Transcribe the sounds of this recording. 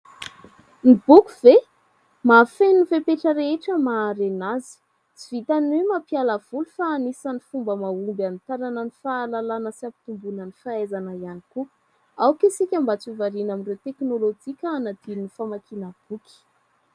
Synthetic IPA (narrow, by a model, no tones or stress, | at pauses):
nib̥ukuv̥e | mafenifepeʈ͡ʂəɾeeʈ͡ʂəmaːɾenazi̥ | t͡sivit̪anemapialəv̥ulufaːnisanifumbəmaumbanit̪aɾanənifaːlalanəsiapi̥t̪umbunənifaezanəjaniku | awkisikʲambat͡sivaɾinaminrewt̪eknolod͡ʒikʲəːnad̪inifamakʰinəb̥uki̥